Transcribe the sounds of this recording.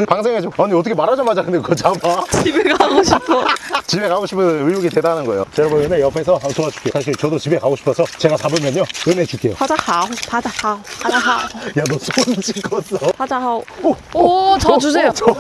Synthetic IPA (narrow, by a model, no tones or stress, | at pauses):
paŋs̬ʰe̞ŋɦed͡ʑoaɲiʌt̬ʰʌkʰemaɾad͡ʑamad͡ʑanɯnɯk͈ʰot͡ɕamat͡ɕibekaɡoɕʰipʰot͡ɕibe̞kaɡoɕʰipʰɯnijoɡitedanɯnɡʌejo̰ʌɾʌbonɯnejʌpʰe̞sʰʌɦamsʰoad͡ʑu̥k͈eosʰaɕ̬ʰiɭt͡ɕʌdot͡ɕibekaɡoɕʰi̥pʰʌsʰʌt͡ɕe̞ɡat͡ɕabɯmjʌɲoɯnet͡ɕuk͈e̞jo̰ad͡ʑahapad͡ʑahaad͡ʑaajadʌsʰont͡ɕʰiɭk͈ʰʌs͈ʌhad͡ʑaɦa | t͡ɕʌus̬ʰet͡ɕʌ